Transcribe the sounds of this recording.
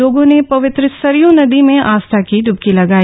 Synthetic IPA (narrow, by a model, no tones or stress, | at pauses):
oːɡõnepɐʋɪt̪ɾəsɐɾjõnɐd̪imẽʔaːst̪ʰakiɖʱʊb̚kilɐɡaː